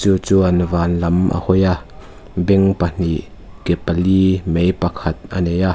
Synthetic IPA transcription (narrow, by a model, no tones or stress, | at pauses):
t͡suːt͡suːʔɐnvaːnlɐmʔa̰hɔja | bɛŋpɐn̥iʔ | kɛpɐliːmejpɐkʰɐt̪̚ʔɐneja